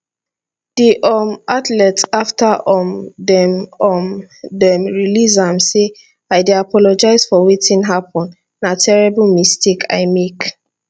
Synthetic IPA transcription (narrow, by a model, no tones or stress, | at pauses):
d̥iʔɔmatlɛtaftʰaʔɔmdɛmɔmdɛmɹilizãmse | aɪdiapʰɔlɔd͡ʒaɪzfɔwitĩnɦapɔ̃n | natʰɛɹɛblmistikʰa̰ɪmek